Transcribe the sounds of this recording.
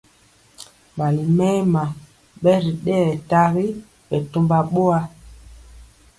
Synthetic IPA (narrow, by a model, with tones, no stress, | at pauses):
ma˨li˨mɛ˦ma˨ | ɓɛ˦ɾi˨ɗɛ˦˨ta˦ɣi˦ | ɓɛ˨to˦mba˨ɓo˦a˦